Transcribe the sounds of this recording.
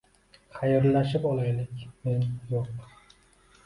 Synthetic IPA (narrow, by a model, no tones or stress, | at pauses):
χajɪɾlaʃɪpɒlˠajlɪkʲme̞njoq